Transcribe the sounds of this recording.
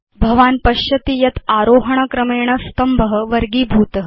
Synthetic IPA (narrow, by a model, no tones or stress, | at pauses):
bʱɐʋaːnpɐɕɐt̪ijɐt̪aɾoːɦɐɳ̃ɐkɾɐmeːɳ̃ɐst̪ɐmbʱəɦəʋɐɾɡiːbʱuːt̪ɐɦ